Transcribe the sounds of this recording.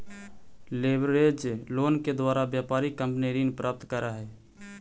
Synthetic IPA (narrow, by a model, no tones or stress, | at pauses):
leːbɾed͡ʒloːnked̪waːɾabjaːpaːɾikə̃mpniɾinpɾʔaːp̚t̪kəɾaɦɛː